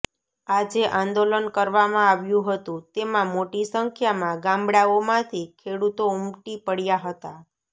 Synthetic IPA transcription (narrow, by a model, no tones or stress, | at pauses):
ad͡ʒeʔãnd̪olənkəɾʋamãaʋjũɦət̪ũt̪emãmoʈisəŋkʰjamãɡãmbɽaomãt̪ʰikʰeɽut̪oumʈipəɽjaɦət̪a